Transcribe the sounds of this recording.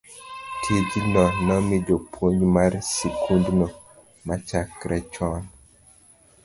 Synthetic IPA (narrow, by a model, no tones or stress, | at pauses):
tʰid͡ʒnɔnɔmidopʰwoɲmaɾsikʰundnɔ | mat͡ʃakɾʔɛt͡ʃɔn